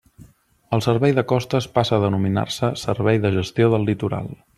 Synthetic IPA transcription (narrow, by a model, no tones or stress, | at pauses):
əlˠsəɾβɛjðəkɔst̪əspasəːðənumina̰rsəsəɾβɛjðəʒəst̪ioðəlˠːit̪uɾa̰lˠ